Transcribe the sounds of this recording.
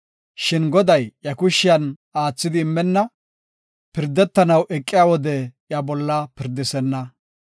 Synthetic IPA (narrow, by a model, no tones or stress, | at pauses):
ʃɪnɡɔd̪ɐjjɐkʊʃːɪjɐn | aːt͡sːɪd̪ɪːmːɛnːɐ | pɪɾd̪ːɛt̪ːɐnɐwʔɛkʼːɪjawɔd̪ɛjɐbɔlːɐpɪɾd̪ːɪsɛnːɐ